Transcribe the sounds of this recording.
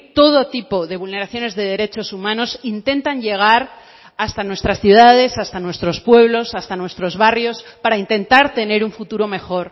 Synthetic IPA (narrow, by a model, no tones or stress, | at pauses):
t̪o̞ð̞o̞t̪ipo̞ðe̞β̞ulne̞ɾaθjo̞ne̞zðe̞ð̞e̞ɾe̞t͡ʃo̞sumãno̞sint̪e̞nt̪anʝe̞ɣ̞aɾ | ast̪anwe̞st̪ɾasθjuðað̞e̞sast̪anwe̞st̪ɾo̞spwe̞β̞lo̞sast̪anwe̞st̪ɾo̞zβarjo̞spaɾaint̪e̞nt̪aɾt̪e̞ne̞ɾuɱfut̪uɾo̞me̞xo̞ɾ